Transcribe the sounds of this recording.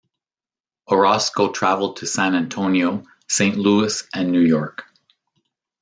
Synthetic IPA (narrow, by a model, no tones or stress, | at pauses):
ə˞ɑskoʊtʰɹ̥ævl̩ˠd̚tʰɨsæ̃næ̃ntʰõʊ̃nioʊ | sẽɪ̃nʔluɨsʔɨ̃nːʉjɔɹk